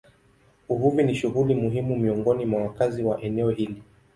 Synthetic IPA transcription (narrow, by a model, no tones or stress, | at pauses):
uvuviniʃuɣulimuɦimumiɔŋɡɔnimwawakaziwaʔɛnɛɔhili